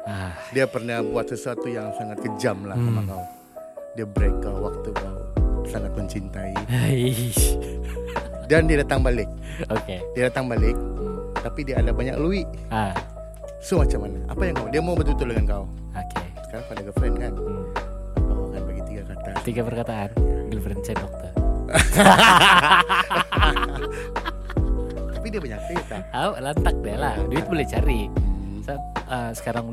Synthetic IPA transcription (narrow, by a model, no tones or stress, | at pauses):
adiapərnahbuat̪səsuat̪ujaŋsaŋat̪̚kəd͡ʒamlahkamakau | diabəɾekawak̚t̪ukausaŋat̪̚məɲt͡ʃint̪ai | dandiadat̪aŋbalɪk̚ | okediadat̪aŋbalɪk̚t̪apidiaːdabaɲa̰kluiʔ | a | somat͡ʃamanaʔa̰pajaŋkaudiamaubərt̪ut̪ʊdəŋankau | okʰe | sə̥kaɾaŋfadaɡəfɾɛnkan | kawakanbaɡit̪iɡakat̪at̪iɡapərkat̪aanɡəlfɾɛnt͡ʃɛdɔk̚t̪ɔr | t̪apidiabaɲak̚sit̪a | awlant̪ak̚dialahduɪt̪̚bolɛht͡ʃaɾi | sat̪̚əsə̥kaɾaŋ